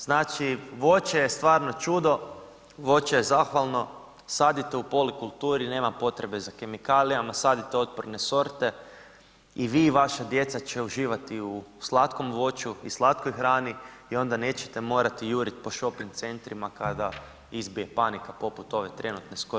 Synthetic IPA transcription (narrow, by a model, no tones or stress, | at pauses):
znaːt͡ʃiʋo̞t͡ʃejest̪ʋaːɾno̞t͡ʃud̪o̞ | ʋo̞t͡ʃejezaːxʋalˠno̞ | saːd̪it̪eupo̞likulˠt̪uːɾine̞ːmapo̞t̪ɾe̞be̞zake̞mikaːlijamasaːd̪it̪eo̞t̪̚poɾne̞so̞ɾt̪e̞ | iʋiːʋaʃad̪je̞t̪sat͡ʃe̞uʒiːʋat̪iuslˠat̪ko̞mʋo̞t͡ʃuislˠat̪kojxɾaːniio̞nd̪ane̞ːt͡ʃet̪emo̞ːɾat̪ijuɾit̪po̞ʃo̞piŋt̪se̞nt̪ɾimakad̪a | izbije̞panikapo̞put̪o̞ʋe̞t̪ɾe̞nut̪nesko